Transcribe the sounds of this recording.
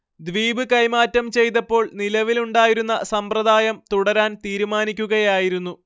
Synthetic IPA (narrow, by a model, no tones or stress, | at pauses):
d̪ʋiːbɨkɐjmaːtːɐmt͡ɕe̞jt̪̬ɐpːo̞ːɭnilɐʋiluɳɖaːjiɾunːɐsɐmprɐd̪aːjɐmt̪uɽɐɾaːnt̪iːɾumaːnikʲːuɣɐjaːjiɾunːu